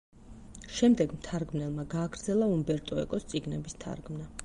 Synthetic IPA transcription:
ʃɛmd̪ɛɡmt̪ʰaɾɡmnɛlˠmaɡaːɡɾd̪zɛlˠaumbɛɾt̪ʼɔɛ̰kʼɔst̪sʼiɡnɛbist̪ʰa̰ɾɡmna

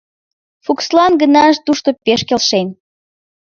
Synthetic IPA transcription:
fukslɑnɡənɑəʒt̪uʃt̪opeʃkelʃen

